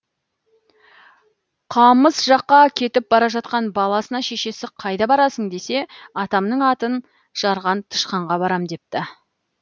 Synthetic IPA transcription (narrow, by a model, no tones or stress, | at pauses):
qʰɑməzʒɑqːɑkʲʰe̞t̪ɪp̚bɑɾɑʒɑt̪̚qɑnbɑlˠɑsənɑʃe̞ʃe̞sɪqʰɑjd̪ɑbɑɾɑsəŋd̪e̞se̞ɑt̪ɑmnəɴɑt̪ən | ʒ̥ɑɾʁɑnt̪ʰə̥ʃqɑɴʁɑbɑɾɑmd̪e̞p̚t̪ɪ